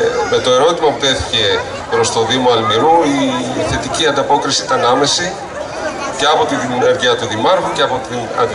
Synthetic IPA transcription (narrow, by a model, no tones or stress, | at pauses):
me̞t̪o̞e̞ɾo̞t̪imɐput̪e̞θi̥ce̞ | pɾo̞st̪o̞ðimo̞ɐlmiɾuiθe̞t̪iciɐnd̪ɐpo̞kɾisiit̪ɐnɐme̞si | ce̞ɐpo̞t̪iineɾʝiɐt̪uðimɐɾɣuceɐpo̞t̪inɐ̰d̪